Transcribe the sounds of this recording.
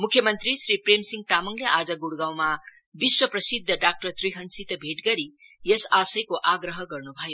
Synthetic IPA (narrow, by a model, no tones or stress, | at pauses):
mukʰjʌmʌnt̪ɾisɾipɾemsiŋɡt̪amʌŋleʔad͡zʌɡuɽuɡawma | biswʌprʌsid̪ʱːʌɖak̚ʈʌrt̪riɦʌnsit̪ʌbʱeʈɡʌɾi | jesasʌjkoʔaɡɾʌɦʌɡʌrnubʱʌjo